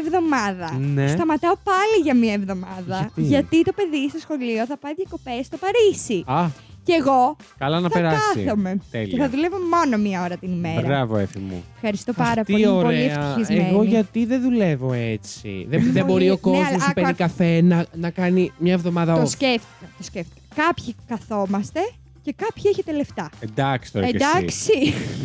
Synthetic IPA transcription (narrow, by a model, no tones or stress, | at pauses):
evðo̞mɐðɐnesst̪ɐmɐt̪ɐopɐliʝɐmɲɐevðo̞mɐðɐɐt̪iʝɐt̪it̪o̞pe̞ðisesxo̞lio̞θɐpɐiðʝɐko̞pe̞st̪opɐɾisiɐ | ceɣo̞kɐlɐnɐθpeɐɾɐɐsθḭome̞t̪elieθɐðule̞vomo̞no̞miɐoɾɐt̪inime̞ɾɐɾɐvoefimṵfxɐɾist̪o̞pɐɾɐpt̪olioɾoleiefɐiizmeeɣo̞ʝɐt̪iðeðule̞vo̞et͡sḭðeðebo̞ɾiokomospenikɐfenɐnɐkɐnimɲɐevðo̞mɐðɐoseft̪i̥kɐt̪osceft̪i̥kɐkɐpçikɐθo̞mɐst̪e̞ | ce̞kɐpçieçet̪eleft̪ɐend̪ɐksi̥t̪oɾeeɐksi